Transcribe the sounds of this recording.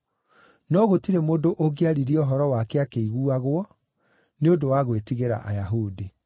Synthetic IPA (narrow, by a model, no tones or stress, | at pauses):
nɔɣotiɾemoːndoʔoɡeaɾiɾiɔɦɔɾɔwakeakeiɣuaɣwɔ | neodowaɣwetiɣeɾa̰ʔa̰jaɦudi